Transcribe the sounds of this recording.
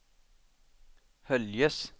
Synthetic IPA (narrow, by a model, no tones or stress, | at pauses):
hœljəs